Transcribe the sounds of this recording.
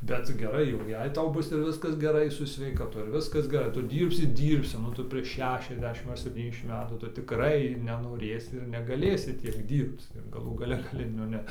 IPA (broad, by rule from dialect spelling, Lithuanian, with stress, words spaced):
ˈbʲɛt t͡sʲɪk ɡʲɛˈrɐɪ jɛʊ ˈjɛɪ ˈtɐʊ ˈbʊs ɪr ˈʋʲɪskɐs ɡʲɛˈrɐɪ sʊ sʲʋʲɛɪkɐˈtʊ ɪr ˈʋʲɪskɐs ɡʲɛˈrɐɪ ˈtʊ ˈdʲiːrʲpʲsʲɪ ˈdʲiːrʲpʲsʲɪ nʊ ˈtʊ pʲrʲiɛʃ ˈʃʲæːʃʲɛzʲˌdʲæːʃʲɪm ɐr sʲɛpʲˈtʲiːnʲɛzʲˌdʲæːʃʲɪm ˈmʲæːtuː ˈtʊ tʲɪˈkrɐɪ nʲɛnoːˈrʲeːsʲɪ ɪr nʲɛɡɐˈlʲeːsʲɪ ˈtʲiɛk ˈdʲiːrpt͡s ɪr ɡɐˈlˠuː ɡɐˈlʲɛ ɡɐˈlʲɪ nʊ ˈnʲɛ